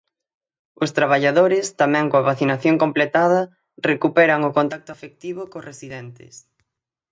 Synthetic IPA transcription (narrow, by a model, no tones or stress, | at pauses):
ʊst̪ɾaβ̞aʎaðoɾɪst̪amɛ̃ŋkoaβaθinaθjoŋkomplet̪aðɐ | rekupɛɾɐŋʊkont̪ak̚t̪ʊafek̚t̪iβ̞ʊkoresiðɛnt̪ɪ̰s